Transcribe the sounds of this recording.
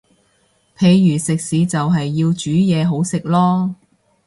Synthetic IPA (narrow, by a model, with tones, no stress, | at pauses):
pʰe˨˧jːyː˨˩sɪ˨k̚siː˨˥t͡sɐ˨wɦɐ˨jːiː˧wt͡ʃyː˨˥jɛː˨˧ɦo˨˥wsɪ˨k̚lɔː˥